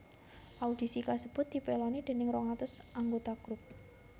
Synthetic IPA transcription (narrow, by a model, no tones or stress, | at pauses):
ʔaud̪̥i̤sikasəb̥ʊt̪̚d̪̥i̤pelɔnid̪̥e̤nɪŋrɔŋat̪ʊsʔaŋɡot̪aɡ̥ɾʊp̚